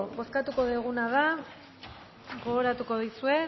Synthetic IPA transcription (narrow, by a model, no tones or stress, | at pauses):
bo̞skat̪uko̞ðeɣ̞unaða | ɣo̞oɾat̪uko̞ðisue̞